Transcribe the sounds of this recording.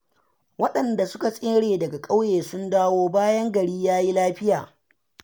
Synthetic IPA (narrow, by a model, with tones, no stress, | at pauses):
wɐ˦ɗɐ˨nda˨sʊ˦ka˨sʼeː˦ɽeː˨dɐ˨ɡa˨kʼa˦wjeː˨sʊ˦ndaː˦woː˦baː˦jɐ˦ŋɡɐ˨ɽiː˦jaː˦ji˦laː˦ɸɪ˦jaː˨